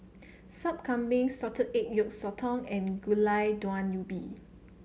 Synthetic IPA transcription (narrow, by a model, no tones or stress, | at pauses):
sap̚kʰãmbĩŋsɔtʰədet̚jɔk̚sɔtʰɔ̃ŋɛ̃nɡulajdwãnːjubi